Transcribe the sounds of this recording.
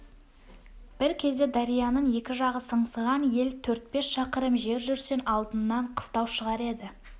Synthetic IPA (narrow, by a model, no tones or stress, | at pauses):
b̥ɪɾkʲʰe̞zd̪e̞d̪ɑɾijɑnəɴje̞kʲɪʒɑʁəsəɴsəʁɑnje̞lt̪ʰɵɾt̪̚pe̞sʃɑqəɾəmʒe̞ɾʒʏɾse̞nɑlˠd̪ənːɑɴqʰə̥st̪ɑwʃəʁɑɾe̞d̪ɪ